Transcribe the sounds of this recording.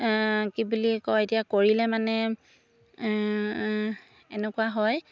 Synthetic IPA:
kibulikɔetijakoɹilɛmanɛ | ɛnɛkuwaɦɔj

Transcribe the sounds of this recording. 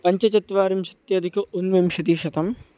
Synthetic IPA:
pɐɲt͡ʃɐt͡ʃɐt̪ʋaːɾimʃɐt̪jɐːd̪ikɐʔonʋemʃɐt̪iʃɐt̪ɐm

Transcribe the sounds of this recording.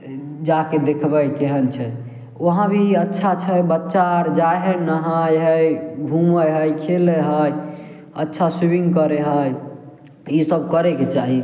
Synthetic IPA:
d͡ʒaked̪ekʰbəjkeɦənt͡ʃʰɛ | oɦãbʱiətːʃʰat͡ʃʰɛbətːʃaɾd͡ʒajɦənəɦajɦəjɡʱũməɦəkʰeleɦəj | ətːʃʰasibiŋɡkəɾeɦəj | isəb̚kəɾɛket͡ʃaɦi

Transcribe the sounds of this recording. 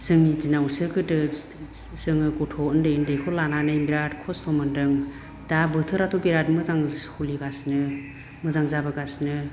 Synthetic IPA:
sɯŋizinawsɯkɯdɯ | sɯŋɯɡɔtʰɔɯndejɯndejkʰɔlananɯimbiɾatkʰɔstʰɔmɯndɯŋ | dabɯtʰɯɾatʰɔbiɾatmɯzaŋhuliɡasnɯ | mɯzaŋzabɯɡasnɯ

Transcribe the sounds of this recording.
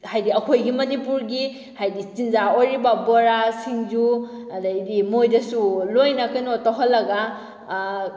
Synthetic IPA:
hajdiɐkʰojɡimɐnipuɾɡi | hajdit͡ʃinzaoɾibabɔɾasiŋd͡ʒudadimojdɐsulojnakajnotaɦɔlːɐɡa

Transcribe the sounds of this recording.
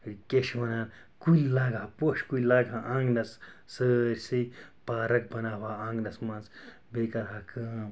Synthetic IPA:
keʃwɐnaːn | kujlaːɡʱaːpoʃkujʲlaːɡaʔãːŋɡnɐssəːɾʲsipaːɾɐk̚bɐnaːbaːãːŋɡnɐsmɐns | beːkɐɾɦakʰɐːm

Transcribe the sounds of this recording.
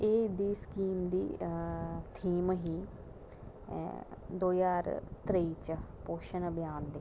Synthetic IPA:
eːd̪iːskiːmd̪iː | t̪ʰiːmɦiː | d̪oːjaːɾt̪ɾeit͡ʃpoːʃənbjaːnd̪eː

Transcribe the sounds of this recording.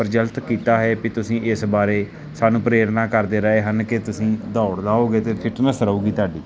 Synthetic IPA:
pəɾd͡ʒəlt̪kiːt̪aːɦɛːpit̪ʊsĩːʔɪsbaːɾeː | saːnũːpɾeːɾnaːkəɾd̪eːɾəeːɦənkɪt̪ʊsĩːd̪aːʊɽd̪aːɦoːɡeːt̪eːpʰɪʈnəsəɾuːɡiːt̪aːɖiː

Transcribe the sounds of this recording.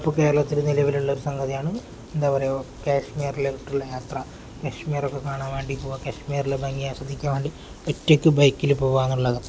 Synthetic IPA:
ipːoke̞ːɾɐɭɐt̪ːiɾɨnilɐʋiluɭːɐoɾusɐŋɡɐðijaːɳɨ | end̪aːpoɾejokaːʂmiːɐrileiʈːuɭːɐjaːt̪rɐ | keːʂmiːrokːe̞kaːɳaːnʋeːɳɖipoːʋakeːʂmiːɐrilebɐŋɡijaʂɐd̪ʱːikʲːaːmʋeːɳɖi | otːekʲːɨbɐjkːilupoːʋaːnːuɭːɐðɐ

